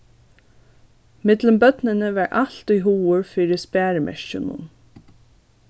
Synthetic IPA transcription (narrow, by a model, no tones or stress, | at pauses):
mɪt̪ləmbœt̪nənəʋɑːɹʔaɬt̪ujɦuːʊɹfiːɹɪspæːɹmʔɛ̰ʃt͡ʃʊnṵn